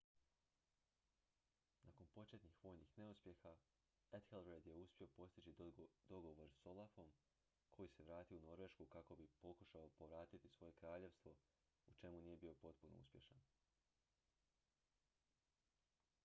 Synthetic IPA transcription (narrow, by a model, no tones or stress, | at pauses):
nako̞npo̞t͡ʃe̞t̪nixʋo̞ːjnixne̞uspje̞xa | et̪xelˠɾed̪je̞uspʲjio̞po̞st̪it͡ɕid̪o̞ɡo̞ʋo̞ɾso̞lˠafo̞m | kʰo̞jise̞ʋɾaːt̪iuno̞ɾʋe̞ʃkukako̞bipo̞kuʃaopo̞ʋɾaːt̪it̪isʋo̞je̞kɾaːʎe̞ʋst̪ʋo̞ | ut͡ʃe̞munije̞bio̞po̞t̪puno̰ṵspʲje̞ʃan